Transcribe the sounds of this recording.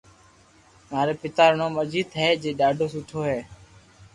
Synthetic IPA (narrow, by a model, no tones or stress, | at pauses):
maːɾeːpɪt̪aːɾɳõːməd͡ʒiːt̪ɦeːd͡ʒeːɗaːɖʱoːsʊʈʰoːɦeː